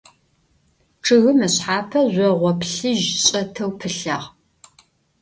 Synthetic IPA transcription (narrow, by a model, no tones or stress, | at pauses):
ʈ͡ʂʰɨɣɨmɐɕħaːpʰɐʑʷɔʁʷɔpɬɨʒɕʼɐtʰɐwpʰɨɬaːʁ